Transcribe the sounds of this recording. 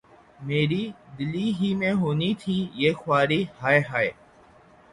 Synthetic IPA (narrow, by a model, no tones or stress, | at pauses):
meːɾiːd̪ɪliːɦiːmẽːɦoːniːt̪ʰiːjeːxwaːɾiːhaːeɦaːeː